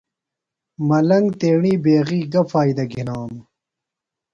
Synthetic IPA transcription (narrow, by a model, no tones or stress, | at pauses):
mɐlɐŋɡt̪eːɳiːbeːɣiːɡɐfaːjd̪ɐɡʱinaːm